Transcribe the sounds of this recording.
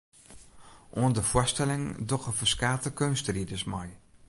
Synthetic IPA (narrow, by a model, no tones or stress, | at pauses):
ʔondəfʊstɛlɪŋdɔχəfəskaːtəkønstridəsmaj